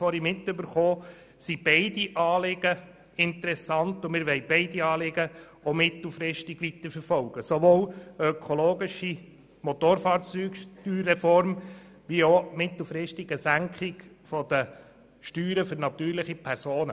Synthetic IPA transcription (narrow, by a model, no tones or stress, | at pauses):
fɔɾimɪt̪ːʏbəɾχoː | sib̥ɛɪdiʔɑːlɪɡ̥ə | ɪnt̪əɾɛsɑnt̪ʊmɪɾʋɛɪb̥ɛɪdiɑːlɪɡə | omɪt̪l̩ˠfɾɪʃtɪɡ̥ʋit̪əɾfəɾfɔlɡ̥əsoʋoːlœkʰoloːɡɪʃi | mɔt̪oːɾfɑːɾt͡syːkʃtyːɾːɛfɔɾm | ʋiomɪt̪l̩ˠfɾɪʃtɪɡ̥əsæŋkʰχɪɡ | fɔd̥̪ə | ʃtyːɾəføɾnɑt̪yːɾlɪχipʰɛɾsoːnə